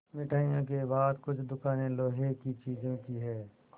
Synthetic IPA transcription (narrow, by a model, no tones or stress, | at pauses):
mɪʈʰaːijõk̬ebaːd̪kʊt͡ʃʰd̪ʊkaːnẽloːɦekit͡ʃiːzẽkiɦɛː